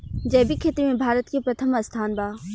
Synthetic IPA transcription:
d͡ʒɛːbikʰeːt̪imẽbʱaːɾət̪kepɾɐt̪ʰəmɐst̪ʰaːnbaː

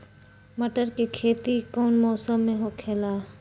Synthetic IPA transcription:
məʈəɾkekʰeːt̪ikɔːnmɔːsəmːẽɦokʰeːlaː

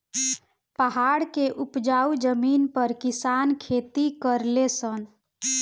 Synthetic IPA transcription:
pəɦaɽkeʔupd͡ʒaud͡ʒəminpəɾkisankʰet̪ikəɾlesən

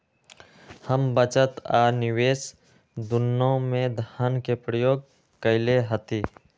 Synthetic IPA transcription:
həmbət͡ʃət̪aːɾnɪweːs | d̪ʊnːõmẽd̪ʱaːnkepɾəjoːɡ̚ | kəɪleɦət̪iː

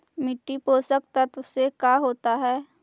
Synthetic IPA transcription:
mɪʈːipoːsək̚t̪ət̪ʊsekaːɦoːt̪aɦɛː

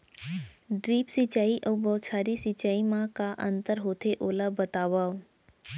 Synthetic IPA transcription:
ɖɾiːpsit͡ʃaːiʔəʋbɔːt͡ʃʰaːɾisit͡ʃaːimãkaʔə̃nt̪əɾɦoːt̪ʰeʔoːlabət̪aːʋaʋ

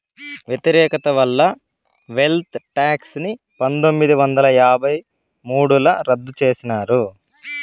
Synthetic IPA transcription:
ʋjet̪iɾɛːkɐt̪ɐʋɐlːɐ | ʋe̞lt̪ʈaːksni | pɐnd̪omːid̪iʋɐnd̪ɐlɐjaːbʱɐj | muːɽulɐɾɐd̪ːut͡ʃe̞ːsinaːɾu

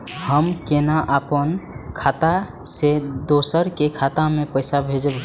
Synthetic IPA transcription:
həmkenaʔəpənkʰat̪ased̪osəɾkekʰat̪amepəɪsabʱed͡ʒəb

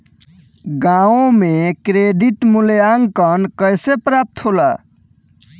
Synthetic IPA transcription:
ɡaõmekɾeɖiʈmuljaŋkʌnkəjsepɾap̚t̪ʰɦola̰

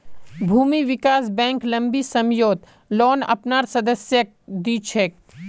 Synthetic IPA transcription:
bʱuːmiʋɪkaːs̬bɛ̃ːŋklɐ̃mbisɐmjoːd̪ | lɔːnɐ̰pnaːɾsɐd̪əsjə | d̪iːt͡ʃʰɛk

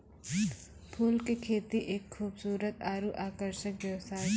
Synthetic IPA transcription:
pʰuːlkekʰeːt̪iʔeːkxʰuːbsuːɾət̪aːɾuʔaːkəɾʃəkʋjɛʋsaːɾ

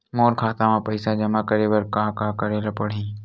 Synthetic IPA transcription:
moːɾkʰaːt̪amãpɐɪsad͡ʒɐmakəɾeːbɐɾkaːkakɐɾeːlɐpəɽ̤ĩː

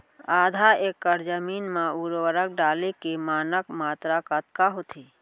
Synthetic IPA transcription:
aːd̪ʱaeːkːəɾd͡ʒəmiːnmãuɾʋəɾək̚ɖaːlekemaːnəkmaːt̪ɾakət̪kaɦot̪ʰeː

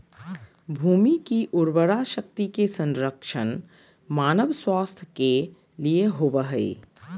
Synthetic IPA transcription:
bʱuːmikiʔʊɾwəɾaʃək̚t̪ikesə̃nɾəkʃən | maːnəʋswaːst̪ʰjəke | lieɦoːbəɦəḛː

